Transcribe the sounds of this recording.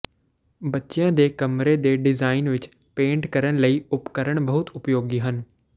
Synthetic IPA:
bətːʃejãːd̪eːkəmɾeːd̪eːɖɪzaːɪnʋɪt͡ʃ | pẽːɳʈkəɾəɳ̃ləiːʊpkəɾəɳ̃bəɦʊt̪ʊpjoːɡiːɦən

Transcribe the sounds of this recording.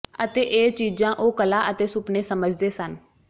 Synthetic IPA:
ət̪eːʔeːt͡ʃiːd͡ʒãːʔoːkəlaːʔət̪eːsʊpneːsəməd͡ʒd̪eːsən

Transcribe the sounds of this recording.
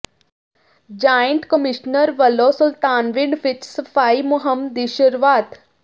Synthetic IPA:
d͡ʒaːjənt̪kəmiʃnəɾʋɐlosʊlt̪aːnʋɪɳɖʋɪt͡ʃsɐfaːimʊɦəmd̪iʃəɾʋaːt̪

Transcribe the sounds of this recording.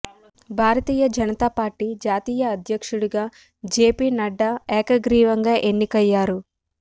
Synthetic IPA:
bʱaːɾɐt̪iːjɐd͡ʒɐnɐt̪aːpaːɾʈːid͡ʒaːt̪iːjɐːd̪ʱjɐkʂuɽuɡaː | d͡ʒe̞ːpiːnɐɖːɐɛːkɐɡɾiːʋɐŋɡaːʔe̞nːikɐjːaːɾu

